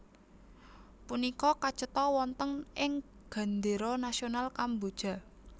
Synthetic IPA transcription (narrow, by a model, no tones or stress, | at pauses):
punikɔkat͡ʃət̪ɔwɔnt̪əŋɪŋɡ̥a̤nd̪eɾɔnasionalkambod̥ʒ̥a̤